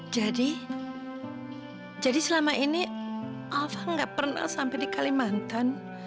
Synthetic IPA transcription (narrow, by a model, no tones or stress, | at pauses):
d͡ʒadi | d͡ʒadisəlamaʔiniʔafaŋɡaʔpərna̰hsampɛdikalimant̪an